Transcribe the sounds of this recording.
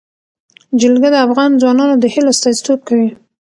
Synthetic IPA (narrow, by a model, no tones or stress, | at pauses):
d͡ʒɪlɡad̪əafɣɑnd͡zwɑnɑnod̪əhiloast̪ɑzit̪ob̚kawi